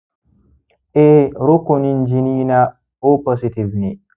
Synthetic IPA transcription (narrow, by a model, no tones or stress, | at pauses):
ʔeɾokonind͡ʒiniːna | opɔsitivni